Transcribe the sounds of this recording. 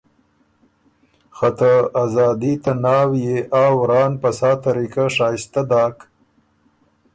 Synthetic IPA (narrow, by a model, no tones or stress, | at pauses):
xat̪aazɑːd̪it̪anɑːwjeʔaːwɾɑːnpɐsɑːt̪aɾikaʂaːjst̪ad̪ɑːk